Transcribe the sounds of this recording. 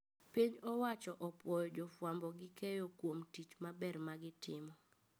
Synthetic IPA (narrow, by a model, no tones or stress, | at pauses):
piɲɔwat͡ʃɔʔɔpwɔjɔd͡ʒɔfwambɔɡɪkɛjokwomtit͡ʃmabɛrmaɡɪtɪmɔ